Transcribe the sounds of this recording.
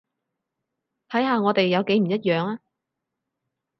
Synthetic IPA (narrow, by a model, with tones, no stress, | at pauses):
t̪ʰɐ˨˥jhaː˧ŋɔː˨˧t̪e˨jːɐ˨˧wke˨˥jm̩˨˩jɐ˥t̚jœː˨ŋaː˥